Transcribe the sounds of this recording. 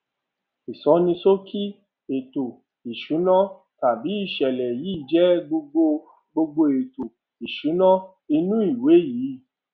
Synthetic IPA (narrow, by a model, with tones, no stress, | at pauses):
i˨sɔ˨˦nĩ˧so˦kʰi˦ | e˨to˨ | i˨ʃu˨˦nɔ̃˦ | ta˨bi˨˦i˦˨ʃɛ˨lɛ˨ji˨˦˨d͡ʒɛ˨˦ɡ͡bo˧ɡ͡bo˧ | ɡ͡bo˧ɡ͡bo˧e˨to˨ | i˨ʃu˨˦nã˦ | i˧nũ˦i˦˨we˨˦jiː˨˦˨